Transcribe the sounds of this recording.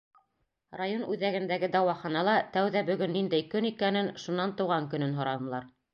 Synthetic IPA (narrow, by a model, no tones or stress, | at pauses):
rajonʉðæɡɘ̆nd̪æɡɘd̪ɑwɑχɑnɑlˠɑt̪æwðæbɵ̆ɡɵnːind̪æjkɵnikænɘnʃunːɑnt̪ɤ̆wʁɑŋkɵ̆nɵnɦŏɾɑnɤ̆lˠɑɾ